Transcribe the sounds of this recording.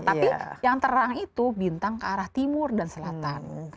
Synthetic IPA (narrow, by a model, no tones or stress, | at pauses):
apijaŋt̪əɾaŋit̪ubint̪aŋkəaɾaht̪imʊrdansəlat̪an